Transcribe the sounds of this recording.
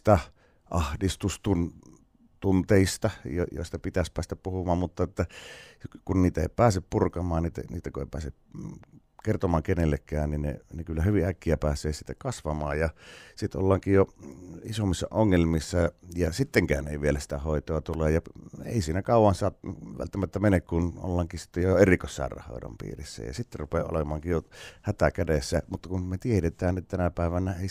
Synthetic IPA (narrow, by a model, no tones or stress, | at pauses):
t̪æ | ʔɑhdist̪ust̪un | t̪unt̪eist̪ɑjojo̰ist̪ɑpit̪æspæːst̪æppuhumɑːmmut̪ːɑet̪ːæ | kunniːt̪æḛˑipæːseppurkɑmɑːnniːt̪æ̰nḭːt̪ːækuḛˑipæ̰ːse | kert̪omˑɑːŋkenelːekːæːnninnḛnekylːæhyʋiækːiæpæːsˑeːsit̪ːækɑsʋɑmɑːjjɑsit̪o̰lːɑːŋkijjoisomːisːɑ̰ʔoŋːelmisːɑjɑsit̪ːeŋkæːnḛiʋielæsi̥t̪æhoˑit̪oɑt̪uleːjɑḛˑisiːnækɑˑuwˑɑnsɑːt̪ʋæ̰lt̪ːæmæt̪ːæmenekkuno̰lːɑŋkisi̥t̪ːejojoerikosːɑ̰ˑḛrːˑɑ̰hˑo̰ˑedɑ̰mpḭːrisːæ̰jɑ̰sit̪ːerupeʔo̰lemˑɑːŋkijjohæt̪ækædesːæmut̪ːɑkunmet̪ieɾet̪ˑæːnet̪t̪ænæpæˑeʋænæeˑi